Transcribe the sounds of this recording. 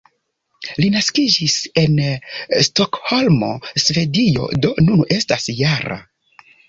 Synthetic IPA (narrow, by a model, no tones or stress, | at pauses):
linaskid͡ʒise̞nsto̞kho̞lmo̞̰sve̞dio̞̰do̞nune̞stasjaɾa̰